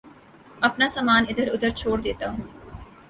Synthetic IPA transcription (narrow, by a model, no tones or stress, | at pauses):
ɐpnasamaːnɪd̪əɾʊd̪əɾt͡ʃʰoːɽd̪eːt̪aɦũː